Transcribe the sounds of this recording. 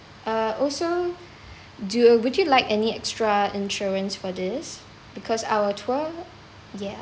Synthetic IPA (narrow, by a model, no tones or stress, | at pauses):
ʔaɔlso | duwudjulaɪkɛniɛkstɹaĩnʃuɹə̃nsfɔdɪs | b̥ikʰɔsa̰wətʰuə | jɛ